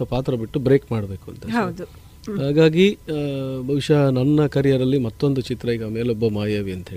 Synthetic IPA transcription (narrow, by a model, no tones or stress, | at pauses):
ɐpaːt̪ɾɐbiʈːubɾe̞ːkmaːɽɐbe̞ːkuɐ̰nt̪ɐɦɐwd̪u | ɦaːɡaːɡi | bʱɐʋiʂɐnɐnːɐkɐɾjaɾɐlːimɐt̪ːo̞nd̪ut͡ʃit̪ɾɐiːɡɐmeːlɔbːɐmaːjaːʋiɐnt̪ɐɦeːɭ